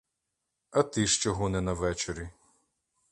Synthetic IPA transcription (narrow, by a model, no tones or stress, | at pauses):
ɐt̪ɪʃt͡ʃɔɦɔnɛnɐʋɛt͡ʃeɾʲi